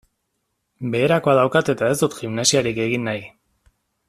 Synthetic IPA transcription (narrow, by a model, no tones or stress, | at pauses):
be̞ːɾako̞aðawkat̪e̞t̪ae̞zd̪ut̪ximnasiaɾike̞ɣinːaj